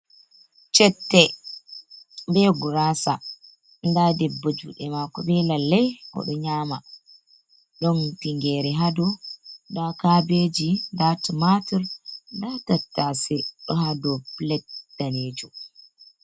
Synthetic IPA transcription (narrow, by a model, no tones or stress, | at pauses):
t͡ʃɛtːɛ | bɛɡuɾasa | ndadɛbːad͡ʒṵɗɛmakɔbɛlalːɛjhɔ̰ɗɔɲama | ɗɔntiŋɡɛɾɛɦadɔdakabed͡ʒindatimatiɾdatatːasɛɗɔɦadɔplɛt̚d̥aneːd͡ʒu